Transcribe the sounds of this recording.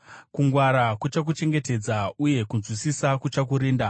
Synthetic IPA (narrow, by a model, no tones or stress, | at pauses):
kuŋɡwaɾakut͡ʃak̬ut͡ʃe̞ŋɡe̞te̞d͡zauje̞kunzwisisakut͡ʃak̬uɾiːnda